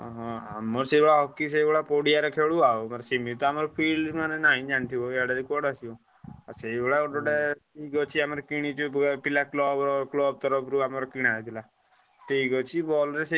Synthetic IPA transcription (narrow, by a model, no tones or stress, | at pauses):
ɔɦɔ̃a̰mɔɾsebɔɭaɦɔkisejbɔɭapoɽijaɾɔkʰeɭuaomaɾsemit̪ɔamaɾɔpʰilmanenaɦĩd͡ʒant̪ʰibɔeaɖad̪ikɔɽasiu | aseibɔɽaɖɔɽeiiɡɔt͡ʃʰiamaɾɔkiɽ̃it͡ʃupilaklɔbɾɔklɔb̚t̪ɔɾɔbɾuamaɾɔkiɽ̃ajt̪ʰila | t̪eiɡɔt͡ʃʰibɔlɾese